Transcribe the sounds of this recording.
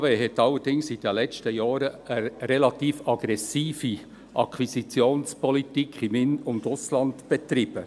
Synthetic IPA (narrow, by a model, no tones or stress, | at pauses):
ʋeːɦɛtːɑlːəɾd̥ɪŋsid̥əlɛt͡ʃtəjɑːɾəəɾɛlɑt̪iːfɑɡ̥ɾɛsiːfi | ʔɑkʰwisit͡sjoːnspɔlitikʰχimɪnʊntʊslɑndb̥ɛtɾɪb̥ə